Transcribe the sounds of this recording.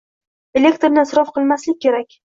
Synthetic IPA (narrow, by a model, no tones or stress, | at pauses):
elʲːe̞kt̪ɾnɪasɾɒfqʰɨlˠmaslɪk̚ʲːe̞ɾakʲ